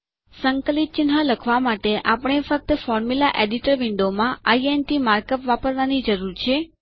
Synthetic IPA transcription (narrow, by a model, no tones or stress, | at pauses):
səŋkəlit̪̚t͡ʃɪnɦaləkʰʋamaʈeʔapəɳ̃efək̚t̪əfɔɾmulaʔeɖiʈəɾʋɪɳɖomãaienʈimaɾkəpʋapəɾʋanid͡ʒəɾuɾt͡ʃʰe